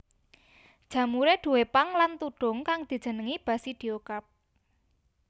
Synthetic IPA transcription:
d̥ʒ̥ä̤muɾeɖ̪̥ṳwepaŋlant̪uɖ̥ʊ̤ŋkaŋd̪̥i̤̥d͡ʒ̥ə̤nəŋib̥ä̤sid̪̥iokap̚

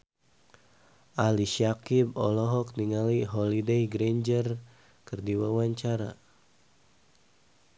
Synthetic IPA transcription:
ʔaliʃiakibɔ̰lɔɦɔk̚niŋaliɦɔlidejɡɾeɲd͡ʒər | kɨrdiwawaɲt͡ʃaɾa

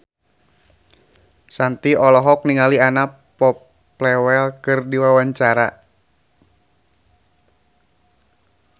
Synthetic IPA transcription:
sant̪iɔlɔɦɔk̚niŋaliana | pɔpː | lɛwɛlkɨrdiwawaɲt͡ʃaɾa

